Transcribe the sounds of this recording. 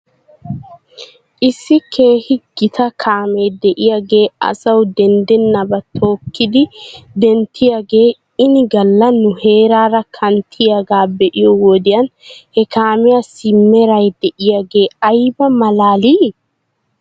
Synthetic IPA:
ʔɪsːɪkʰe̞ːhɪɡ̥ɪt̪ʰɐkʰaːme̞ːd̪ɛʔɪjaɡe̞ːɐ̰sɐwd̪ɛnd̪ɛnːɐbɐt̪ʰoːkːɪd̪ɪd̪ɛnt̪ʰɪjaɡeː | ɪnɪɡɐlːɐnːʊhe̞ːɾaːɾɐkʰɐnt̪ʰɪjaɡaːbɛʔɪjɔwɔd̪ɪjɐnhɛkaːmɪjasɪmːɛɾɐjd̪ɛʔɪjaɡeːɐjbɐmɐlaːliː

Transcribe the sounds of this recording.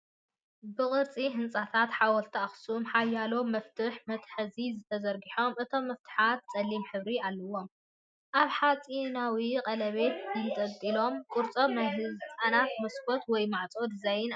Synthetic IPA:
bɨkʼɨɾt͡sʼiɦɨnt͡sʼat̪ʰat̪ħawɔlt̪ʰɐaxsumħajːalo̞mɐft̪ʰɨħmɐt̪ħɨzizɨt̪ʰɐzɐɾɡiħo̞mʔɨt̪ʰo̞mːɐft̪ʰɨ̥ħat̪̚t͡sʼɐlːimħɨβɾialːɐwo̞m | ʔaβħat͡sʼinawiqʼɐlɐβe̞t̪jɪt̪ʼɐdt̪ʼilo̞mkʼʊɾt͡sʼomnajɦɨzɨt͡sʼanat̪mɐskʰot̪wɔjmaʕt͡sʼod̪ɨzajɪn

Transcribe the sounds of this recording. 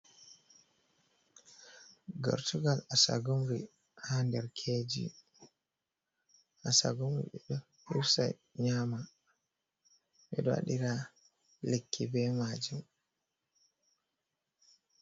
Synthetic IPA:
ɡɔ̰ɾtuɡalasa̰ɡumɾi | handɛɾkʰed͡ʒḭ | ʔasa̰ɡumɾḭɓɛɗɔ | huɾsa̰ | ɲama | ɓɛ̰ɗɔwa̰ɗiɾa | lekʰːibɛmad͡ʒum

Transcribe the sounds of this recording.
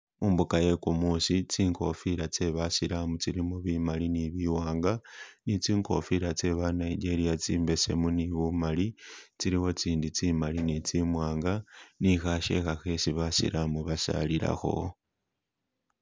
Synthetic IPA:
muːmbukaje̞kumusit͡siːŋko̞̰fiɾat͡se̞βasiɾamut͡siɾimuβimaliniβiwaːŋɡanit͡siːŋko̞̰fiɾat͡se̞βanaiɟe̞ɾijat͡siːmbe̞se̞̰muniβumalit͡siɾiwo̞t͡siːndit͡siːmalinit͡simwaːŋɡanixaʃe̞̰xaxe̞siβasḭɾʔamuβasa̰lila̰xo̞̰

